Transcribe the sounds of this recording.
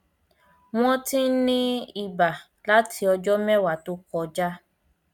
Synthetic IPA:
w̃ɔ̃˦tĩ˦nĩ˦i˨ba˨ | la˦tʰi˧ɔ˧d͡ʒɔ˦mɛ̃˦˨wa˨to˦kɔ˧d͡ʒa˦

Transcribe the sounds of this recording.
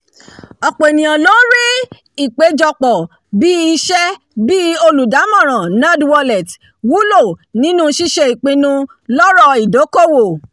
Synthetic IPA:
ɔ˨k͡pe˨nĩ˨ɔ̃˨lo˦ɾi˦ | i˦˨k͡pe˨˦d͡ʒɔ˧k͡pɔ˨ | bi˦i˧ʃɛ˦ | bi˦o˧lu˨da˨˦mɔ̃˦˨ɾ̃ã˨nã˦dwɔ˧lɛ˨t | wu˨˦lo˦˨nĩ˨˦nũ˦ʃi˧ʃe˧i˨k͡pĩ˧nũ˧ | lɔ˦ɾɔ˦˧i˨do˨˦ko˦˨wo˨

